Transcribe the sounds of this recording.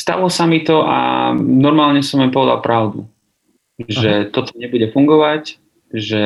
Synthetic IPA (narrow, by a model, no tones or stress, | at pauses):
st̪a̰ʋlɔsamit̪ɔʔa̰nɔɾmaːlɲɛsɔmjampɔʋɛd̪a̰lpɾaʊd̪ṵ | ʒʒɛt̪ɔt̪ɔɲɛbuɟɛfuŋɡɔʋac | ʒɛ